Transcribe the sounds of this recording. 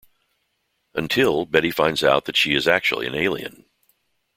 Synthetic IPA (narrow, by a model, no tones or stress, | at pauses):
ʔɨ̃ntʰɪlˠbɛɾifãɪ̃ndza̰ʊt̪̚ðɨtʃiɨzæk̚t͡ʃṵl̩ˠḭɨ̰̃neɪlˠḭɨ̰̃n